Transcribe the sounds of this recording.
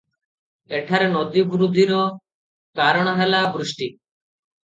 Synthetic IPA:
eʈʰaɾenod̪ibuɾud̪ʱiɾo | kaɾɔɽ̃aɦelabɾuʃʈi

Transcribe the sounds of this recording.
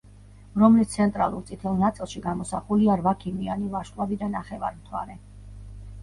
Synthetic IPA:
ɾɔmlist̪sʰɛnt̪ʼɾa̰lˠuɾt̪sʼit̪ʰɛlˠnat̪sʼilˠʃiɡamɔsaχuliaɾvakʰimianivaʃʼlˠavid̪anaχɛva̰ɾmt̪ʰwa̰ɾɛ

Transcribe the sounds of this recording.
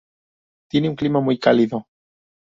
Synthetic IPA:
t̪je̞neuŋklimamujkaliðo

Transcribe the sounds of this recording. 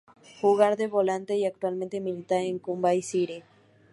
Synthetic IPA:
xuɣaɾðeβolant̪eiak̚t̪walmẽnt̪emilit̪aɾeŋkumbaisiɾe

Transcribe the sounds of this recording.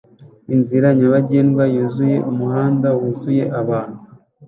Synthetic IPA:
inziɾaɲaβaɟeːnɡwajuzuje̞umuhaːndawuzuje̞ʔaβaːn̥hu

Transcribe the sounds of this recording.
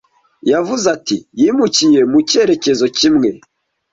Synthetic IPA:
javuzatḭjimucije̞muce̞ɾe̞ce̞zo̞cimŋe̞

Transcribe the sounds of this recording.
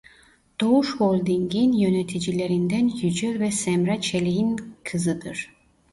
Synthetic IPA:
d̪̥o̞uʃholʲˠd̪iŋɡinjønet̪ʰid͡ʒilʲe̞ɾind̪ænjyd͡ʒøvɛsɛmɾat͡ʃʰelʲijinkʰɯzɯd̪ɯɾ̥

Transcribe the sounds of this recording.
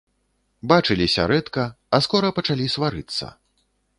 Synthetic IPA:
bat͡ʂɨlʲisʲɐ̰ɾɛt̪kɐ | ɐskɔɾɐpɐt͡ʂalʲisvaɾɨt̪sːɐ̰

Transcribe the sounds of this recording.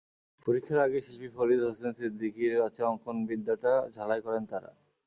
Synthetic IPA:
poɾikʰːjaɾaɡeʃilpifoɾid̪ɦosensid̪ʱːikiɾat͡ɕʰaɔŋkʰonbid̪ʱːaʈad͡ʑʱalajkɔɾent̪aɾa̰

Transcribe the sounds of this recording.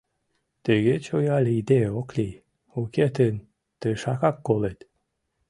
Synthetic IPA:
t̪eɣet͡ɕojɑlʲid̪eoklʲi | uket̪ən | t̪əʃɑkɑkːolet̪

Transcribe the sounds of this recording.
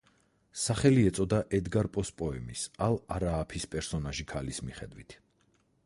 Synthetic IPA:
saχɛliɛt̪sʼɔd̪aʔɛd̪ɡaɾpʼɔspʼɔɛmisalˠaɾaːpʰispʼɛɾsɔnaʒikʰalismiχɛd̪wit̪ʰ

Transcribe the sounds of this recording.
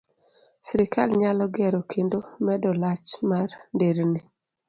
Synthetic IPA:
sɾɪkalɲalɔɡɛɾokʰendomɛdɔlat͡ʃmarndeɾnɪ

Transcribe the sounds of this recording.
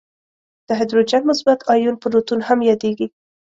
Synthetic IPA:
d̪̥əɦɪd̪ɾod͡ʒanmʊsbat̪ʰɑjunpəɾot̪unhamjɑd̪eɡi

